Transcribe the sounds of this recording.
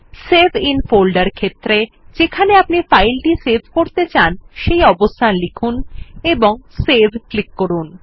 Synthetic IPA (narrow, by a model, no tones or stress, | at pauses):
sebʱinfolɖaɾkʰet̪ːɾe | d͡ʑekʰaneapnifajlʈisebʱkoɾt̪et͡ɕanʃejɔbost̪ʰanlikʰuneboŋsebʱklikːoɾun